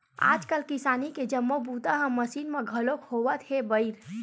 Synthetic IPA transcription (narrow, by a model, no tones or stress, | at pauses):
a̰d͡ʒkəlkisaniked͡ʒəmːobut̪əɦə̃mːəsinmeɡʱəlokhoʋət̪ɦebəɪiɾ